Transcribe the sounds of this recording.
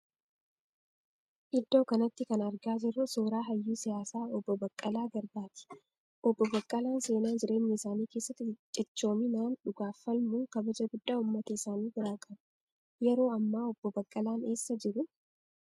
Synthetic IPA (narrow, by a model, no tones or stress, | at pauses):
ʔɪd̪ːo̞ːkɐnɐt̪ːɪkɐnɐɾɡaːd͡ʒɪrːʊsoːɾaːɦɐjːuːsɪjaːsaːɔbːɔbɐkʼːɐlaːɡɐɾbaːt̪ɪ̥ | ʔɔbːɔbɐkʼːɐlaːnse̞ːnaːnd͡ʒɪɾʔe̞ːɲːɛɪsaːniːke̞ːsːɐt̪ːɪt͡ʃʼːɪt͡ʃːo̞ːminaːnᶑʊɡaːfːɐlmukɐbɐd͡ʒɐɡʊd̪ːaːʊmːɐt̪ɐɪsaːniːbɪɾaːkʼɐnʊ | jɛɾo̞ːɐmːaːɔb̥ːɔbɐkʼːɐlaːne̞ːsːɐd͡ʒɪɾʊ